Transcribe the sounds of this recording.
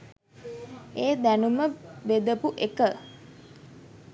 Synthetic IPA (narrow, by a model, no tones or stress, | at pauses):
eːd̪ænuməʋed̪əpuʔekə